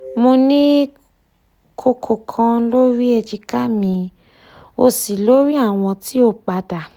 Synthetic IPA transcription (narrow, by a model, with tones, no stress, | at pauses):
mo˧nĩ˦ | kʰo˧kʰo˨kʰã˧lo˦ɾi˦e˧d͡ʒi˧ka˦mĩ˧ | o˧si˨lo˦ɾi˦a˦˨w̃ɔ̃˧ti˦o˦˨k͡pa˧da˨